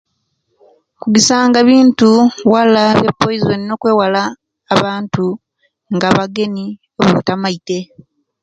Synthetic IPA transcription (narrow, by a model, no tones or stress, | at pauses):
kuɡisaːŋɡaβiːntuwalaβepːojizonino̞ːkwe̞ːwalaː | βaːntu | ŋɡaβaɡe̞ni | oβoβutamaite̞